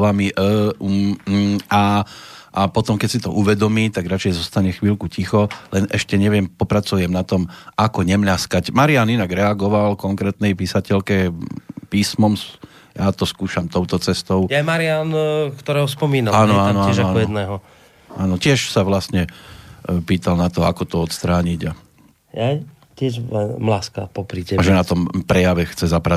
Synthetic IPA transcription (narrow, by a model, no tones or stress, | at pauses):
ʋamiʔ | aʔapɔt̪ɔmkɛcsit̪ɔʔuʋɛd̪ɔmiːt̪aɡɾat͡ʃɛjzɔst̪aɲɛxʋiːlkucixɔlɛnʔɛʃcɛɲɛʋɪɛmpɔpɾat͡sujɛmnat̪ɔmakɔɲɛmʎaskacmaɾianinaɡɾɛaɡɔʋalkɔŋkɾɛːt̪nɛjpisacɛʎkɛpiːsmɔms | jaːt̪ɔskuːʃamt̪ɔʊt̪ɔt͡sɛst̪ɔʊjamaɾɪankt̪ɔɾɛːɦɔspɔmiːnalaːnɔaːnɔɛnaanɔjɛd̪nɛːɦɔ | aːnɔcɪɛʃsaʋlast̪ɲɛ | piːt̪alnat̪ɔakɔt̪ɔɔt̪st̪ɾaːɲiɟa | jaj | cɪɛʒmlaːskapɔpɾitɛʒɛnat̪ɔmpɾɛjaʋɛxt͡sɛzapɾa